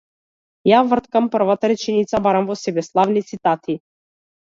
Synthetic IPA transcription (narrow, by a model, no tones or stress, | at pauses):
javəɾt̪kampərvat̪aɾit͡ʃɛnʲit̪sabaɾamvɔsʲɛbɛslˠavnit̪sit̪at̪ʰi